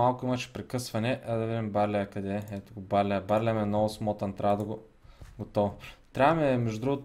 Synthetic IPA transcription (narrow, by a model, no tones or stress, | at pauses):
alˠkʊimɐʃɛ̥pɾɛkɤsvɐnɛʔad̪ɐvid̪imbaɾlʲɛɐkɐd̪ɛɛt̪ʊɡʊbaɾlʲɛɐbaɾlʲɛmɛnɔvʊsmɔt̪ɐnt̪ɾʲʔavɐd̪ɐɡʊ | ɡot̪ɔvʊt̪ɾʲavɐmɛmɛʒdʊd̪ɾuɡʊt̪